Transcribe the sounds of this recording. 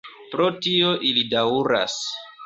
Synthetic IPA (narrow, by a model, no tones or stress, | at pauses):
pɾo̞tioʔilidauɾa̰s